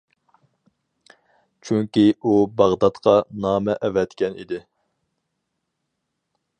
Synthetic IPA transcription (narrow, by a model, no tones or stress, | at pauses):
t͡ʃʰyŋkʲiubɑʁd̪ɑt̪qʰɑnɑːmɛʔɛvɛt̪kʲɛnḭd̪ɪ